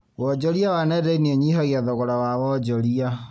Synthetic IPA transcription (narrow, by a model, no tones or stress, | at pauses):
wɔd͡ʒɔɾiawanɛdeinieɲiɦɔɣiaðɔɣɔɾawawɔd͡ʒɔɾia